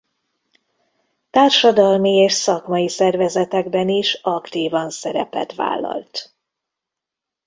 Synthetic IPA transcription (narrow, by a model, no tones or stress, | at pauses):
t̪aːrʃɒd̪ɒlmieːʃsɒkmɒjisɛrvɛzɛt̪ɛɡbɛniʃɒkt̪iːvɒnsɛɾɛ̰pɛ̰t̪ʋa̰ːlːɒ̰lt̪